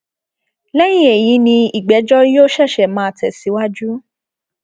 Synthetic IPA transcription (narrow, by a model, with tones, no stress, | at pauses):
lɛ˦j̃ĩ˦e˨jĩ˨˦nĩ˧i˨ɡ͡bɛ˨˦d͡ʒɔ˦jo˦ʃɛ˦˨ʃɛ˨mãː˨˦˧tɛ˨si˨˦wa˦d͡ʒu˦